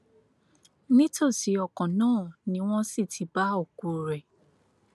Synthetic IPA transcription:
nĩ˦to˦˨ti˨˦ɔ˨kɔ̃˨nãː˦˨nĩ˨˦w̃ɔ̃˦si˦˨tʰi˨˦ba˦o˦˨ku˨ɾɛ˨

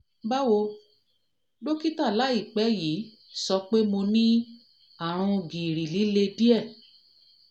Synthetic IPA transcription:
ba˦wo˧ | do˦ki˦ta˦˨la˨˦i˦˨k͡pɛ˨˦ji˨˦ | sɔ˧k͡pe˦mo˧nĩ˦ | a˦˨ɾ̃ũ˧ɡĩ˨ɾi˨li˨˦le˧di˦ɛ˦˨

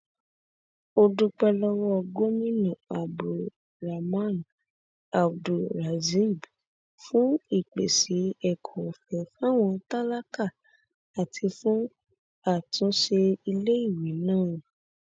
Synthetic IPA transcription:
o˧du˧k͡pɛ˧lɔ˦wɔ˦˧ɡo˦mĩ˦nũ˨a˨bu˨ | ɾa˨mã˦˨n | a˨bdu˨ɾa˨zi˦˨b | fũ˦i˦˨k͡pe˨si˨˦ɛ˦˨kʰɔ˨fɛ˨fũ˦a˦˨w̃ɔ̃˧ta˦la˦ka˦˨ | a˨tʰi˧fũ˦ | a˦˨tũ˨˦ʃe˧i˧le˦i˦˨wi˨˦nãː˦˨

